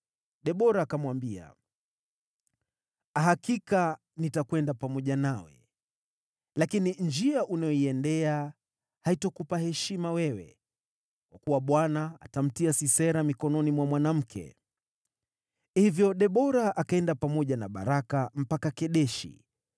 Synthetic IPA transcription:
ɗɛɓɔɾaːkamwambia̰ | aɦakika | nitakwɛndapamɔʄanawɛ̰ | lakinind͡ʒiaʔunajɔiɛndɛa | haitɔkupahɛʃimawɛwɛ̰ | kwakuwaɓwanaa̰tam̩tiasisɛɾamikɔnɔnimwamwanam̩kʰɛ̰ | hivjɔɗɛɓɔɾaʔakaɛndapamɔʄanaɓa̰ɾakam̩pakakɛɗɛʃḭ

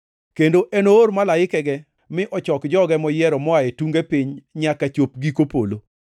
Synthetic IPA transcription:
kendoʔenoːɾmalaɪkɛɡɛ | mɪʔɔt͡ʃɔkd͡ʒɔɡɛmɔjɪɛɾɔmɔaetuŋɡepiɲɲakat͡ʃop̚ɡikopolo

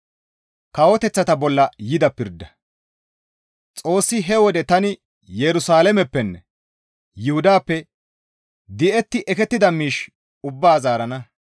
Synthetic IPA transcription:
kɐwɔt̪ɛt͡sːɐt̪ɐbɔlːɐjɪd̪ɐpɪɾd̪ːɐ | t͡sʼo̞ːsːɪɦɛwɔd̪ɛt̪ɐnɪ | jɛɾʊsaːlɛmɛpːɛnːɛ | jɪhʊd̪aːpːɛ | d̪ɪʔɛt̪ːɪʔɛkɛt̪ːɪd̪ɐmiːʃ | ʊbːaːzaːɾɐnɐ

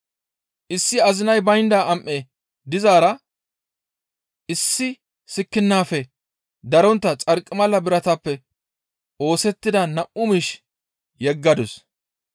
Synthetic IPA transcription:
ʔɪsːɪɐzɪnɐjbɐjnd̪aːɐmʔe | d̪ɪzaːɾɐ | ʔɪsːɪ | sɪkːɪnːaːfɛ | d̪ɐɾɔnt̪ːɐt͡sʼɐɾkʼːɪmɐlːɐbɪɾɐt̪ɐpːɛ | ʔo̞ːsɛt̪ːɪd̪ɐnɐʔʊmiʃ | jɛɡːɐd̪ʊs

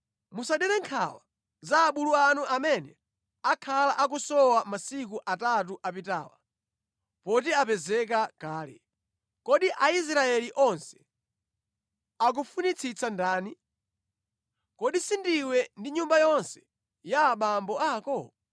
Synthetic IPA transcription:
musaɗɛɾɛŋkʰa̰wa | zaːɓuluanuʔamɛnɛ | akʰalaʔak̬usɔwamasikuʔatat̬uʔapita̰ːwa̰ | pɔt̬iapɛzɛk̬akaːlɛ̰ | kɔɗiʔais̬ɾaɛliʔɔnsɛ̥ | ak̬ufunit͡sʰit͡sʰandaːni | kɔɗisindiwɛndiɲumbajɔnsɛ̥ | jaːɓambɔaːkɔ

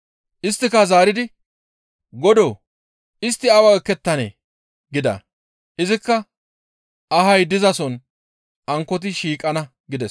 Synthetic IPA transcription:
ʔɪst̪ːɪkɐzaːɾɪd̪ɪ | ɡɔd̪oː | ɪst̪ːɪɐwɐɛkːɛt̪ːɐnḛː | ɡɪd̪ɐ̰ | ʔɪzɪkːɐ | ɐɦɐjd̪ɪzɐsɔn | ʔɐŋkːɔt̪̬ɪʃiːkʼɐnɐ | ɡɪd̪ɛs

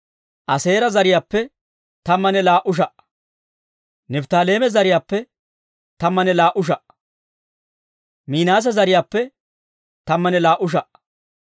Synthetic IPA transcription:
ʔɐse̞ːɾɐzɐɾɪjaːpːɛ | t̪ɐmːɐnɛlaːʔʊʃ̬ɐʔ | nɛbt̪aːle̞ːmɛzɐɾɪjaːpːɛ | t̪ɐmːɐnɛlaːʔʊʃ̬ɐʔ | miːnaːs̬ɐzɐɾɪjaːpːɛ | t̪ɐmːɐnɛlaːʔʊʃ̬ɐʔ

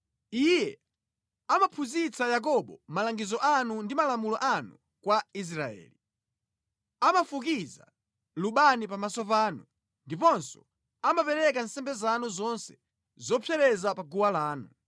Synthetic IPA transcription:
ijɛ | amapʰuzit͡sajak̬ɔɓɔmalaŋɡizɔʔanundimalamulɔʔanu | kwais̬ɾaɛ̰ːli | amafuk̬iza | luɓanipamasɔp̬aːnu | ndipɔnsɔ̥̰ | amapɛɾɛkansɛmbɛzanuzɔnsɛ̥ | zɔpʰɛɾɛzapaɡuwalaːnu

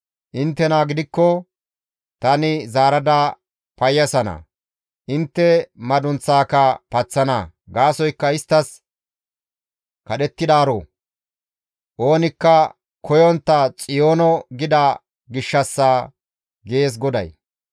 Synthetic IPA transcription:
ʔɪnt̪ːɛnaːɡɪd̪ɪkːɔ | t̪ɐnɪzaːɾɐd̪ɐ | pɐjːɐsɐnɐ̰ | ʔɪnt̪ːɛmɐd̪ʊnt͡sːaːkɐpɐt͡sːɐnɐ̰ | ɡaːsɔjkːɐɪst̪ːɐs | kɐɗɛt̪ːɪd̪aːɾo̰ː | ʔo̞ːnɪkːɐ | kʰɔjɔnt̪ːɐt͡sʼɪjo̞ːnɔɡɪd̪a | ɡɪʃːɐsːaː | ɡe̞ːs̬ɡɔd̪ɐ̰j

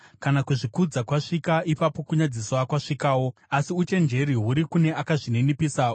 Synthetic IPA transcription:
kanakuʐikud͡zakwaʂikaʔipapo̞kuɲad͡ziswakwaʂikaːwo̞asiut͡ʃe̞nd͡ʒe̞ɾiɦuɾikune̞ʔakaʐinenipisa

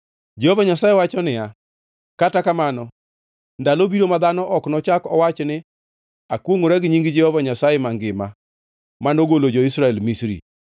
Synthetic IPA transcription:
d͡ʒehovaɲasajewat͡ʃɔnɪa | katakamanɔ | ndalobiɾomad̪anɔʔɔknɔt͡ʃakɔwat͡ʃnɪ | akwoŋʊɾɛɡɪɲiŋɡɪd͡ʒɛhovaɲasajemaŋɡɪma | manoɡolod͡ʒɔisɾaɛlmisɾḭ

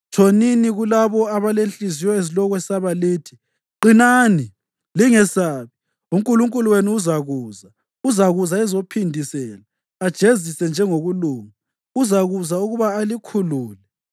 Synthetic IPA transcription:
t͡ʃʰʼoniniɣulaβɔaβalenɬʼizijɔezilɔɣwɛsaβaliːtʰi̥ | ǃinaːni | liŋɛsaːβi | uŋkʼuluŋkʼuluweniuzaɣuːza | uzaɣuzaɛzopʰindʱisɛlaː | d̥ʒ̥ʱezisɛnd͡ʒʱɛŋoɣuluːŋa | uzaɣuzauɣuβaːlikʰuluːlɛ

